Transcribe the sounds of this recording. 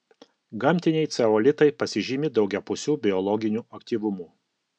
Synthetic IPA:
ɡɐmʲt̪ʲɪnʲɛɪt̪sʲɛoːlʲɪt̪ɐɪpɐsʲɪʒʲɪmʲɪd̪ɒʊɡʲɛpʊsʲuːbʲɪɔlˠɔɡʲɪnʲuːɐkt̪ʲiːʋʊmuː

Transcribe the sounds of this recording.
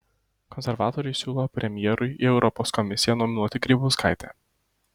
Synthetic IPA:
kɔnʲsʲɛɾʋɑːt̪ɔɾʲʊɪsʲuːlˠopʲɾʲɛmʲjɛːɾʊɪʔɪɛʊɾʔɔpoːskɔmʲɪsʲɪjɛnɔmʲɪnuɔt̪ʲɪɡɾʲiːbuːskaˑɪt̪ʲɛ̰ː

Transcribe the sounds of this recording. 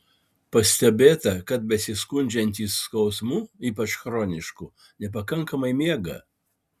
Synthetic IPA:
pɐsʲt̪ʲɛbʲeːt̪ɐkɐt̪̚bʲɛsʲɪskʊnʲd͡ʒʲɛnʲt̪ʲiːsːkɒʊsmuːiːpɐt͡ʃxɾoːnʲɪʃku | nʲɛpɐkɐŋkɐmɐɪmʲeɛɡɐ̰

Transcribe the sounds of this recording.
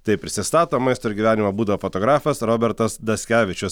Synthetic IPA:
t̪ɐɪpʲɾʲɪsʲɪst̪ɑːt̪oːmɐɪst̪oːɪɾʲɡʲiʋʲæːnʲɪmɐbuːd̪ɐʋoːfot̪oːɡɾɑːfɐsɾoːbʲɛɾt̪ɐsd̪ɐsʲkʲæːʋʲɪt͡ʃʲʊs

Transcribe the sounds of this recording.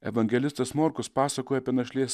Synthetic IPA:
ɛ̰ʋɐŋʲɡʲɛlʲɪst̪ɐsmoɾkʊspɑːsɐkoːjɛɐːpʲiɛnɐʃʲlʲiɛsʲ

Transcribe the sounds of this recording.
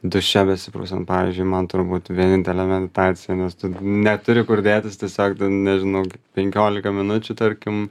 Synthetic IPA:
d̪ʊʃʲɛbʲɛsʲɪpɾɐʊsʲɐnpɑːʋʲḭːzʲd͡ʒʲʊɪmɐnt̪ʊɾbuːt̪ʋʲiɛnʲɪnʲt̪ʲɛlʲɛmʲɛd̪ʲɪt̪ɑːt͡sʲɪjɛnʲɛst̪ʊnʲɛt̪ʊɾʲɪkʊɾʲd̪ʲeːt̪ʲɪst̪ʲiɛsʲoːkt̪ɪnʲɛʒʲɪnɐʊkʲɪpʲɛŋʲkʲoːlʲɪkɐmʲɪnʊt͡ʃʲʊt̪ɐɾʲkʲɪm

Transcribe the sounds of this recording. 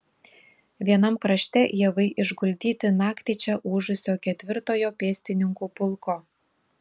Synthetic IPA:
ʋʲiɛnɐmkɾɐʃʲt̪ʲɛjɛʋɐɪʔɪʒɡʊlʲd̪ʲiːt̪ʲɪnɑːkt̪ʲit͡ʃʲɛʔuːʒʊsʲoːkʲɛt̪ʲʋʲɪɾt̪oːjoːpʲeːsʲt̪ʲɪnʲɪŋkuːpʊlˠko

